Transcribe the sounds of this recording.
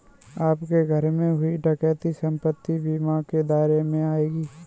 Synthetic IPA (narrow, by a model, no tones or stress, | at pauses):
aːpkeɡʱəɾmẽɦʊiʈɐkɛːt̪isə̃mpət̪ːibiːmaked̪aːɾemẽaːeːɡiː